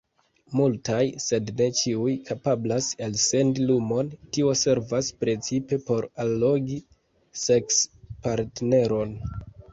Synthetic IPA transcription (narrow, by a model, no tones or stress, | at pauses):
multajse̞dne̞t͡ʃiujkʰapablaselse̞ndilumo̞ntio̞se̞ɾvaspɾe̞t͡sipe̞po̞ɾalːo̞ɡi | se̞kspaɾtne̞ɾo̞n